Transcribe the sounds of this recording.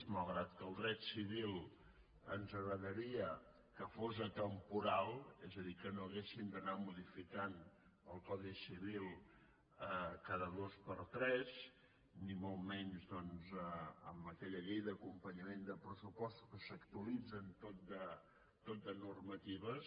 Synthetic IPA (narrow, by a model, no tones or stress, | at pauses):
zmalˠɣɾat̪kəlˠd̪ɾɛt̪siβ̞ilˠ | ənzəɣɾəðəɾiə | kəfozət̪əmpuɾalˠɛzəðikənoəɣesind̪ənamuðifikan | əlˠkɔðisiβ̞ilˠ | əkaðəðospəɾt̪ɾɛz | nimolˠmɛɲzðɔnzəəməkɛʎəʎejd̪əkumpəɲəmend̪əpɾəsupɔst̪u̥kəsəkt̪uəlid͡zənt̪ot̪̚d̪ə | t̪ot̪̚d̪ənurmət̪iβəs